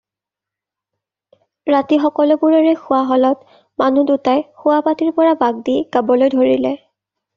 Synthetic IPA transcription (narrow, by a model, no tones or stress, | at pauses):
ɹatixɔkɔlɔbuɹɔɹɛxʊwaɦɔlɔt | manudutajxʊwapatiɹpɔɹabaɡ̚diɡ̥abɔlojdʱoɹilɛ